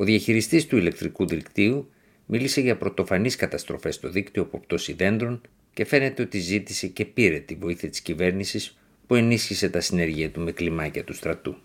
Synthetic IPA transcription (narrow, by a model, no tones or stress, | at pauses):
o̞ðiɐçiɾist̪ist̪uile̞kt̪ɾikuðikt̪iu | milise̞ʝɐpɾo̞t̪o̞fɐniskɐt̪ɐst̪ɾo̞̰fe̞st̪o̞ðikt̪io̞po̞pt̪o̞siðe̞nd̪ɾo̞n | ce̞fe̞ne̞t̪eo̞t̪izit̪ise̞ce̞piɾe̞t̪ivo̞iθiɐt̪i̥scive̞ɾnisis | pue̞nisçise̞t̪ɐsine̞ɾʝiɐt̪umeklimɐcɐt̪ust̪ɾɐt̪u